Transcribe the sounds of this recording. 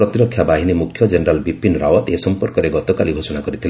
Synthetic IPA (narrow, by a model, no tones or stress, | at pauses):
ɾɔt̪iɾɔkʰːjabaɦinimukʰjɔd͡ʒeneɾalbipinɾawɔt̪esɔmpɔɾkɔɾeɡɔt̪ɔkalibʱosɔnakɔɾit̪ʰile